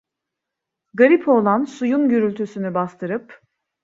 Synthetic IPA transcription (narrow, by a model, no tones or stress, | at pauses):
ɡaɾipʰo̞ːlˠansujunɟøɾylʲt̪ʰysynybast̪ʰɯɾɯp